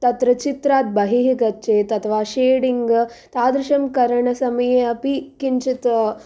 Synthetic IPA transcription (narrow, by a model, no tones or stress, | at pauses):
t̪ɐt̪ɾɐt͡ʃit̪ɾaːt̪̚bɐɦiɦiɡɐtːt͡ʃeːt̪ɐt̪ʰɐʋaːʃeːɽiŋɡt̪aːd̪ɾɪʃɐmkɐɾɐɳɐsɐmɐjeɐpikint͡ʃit̪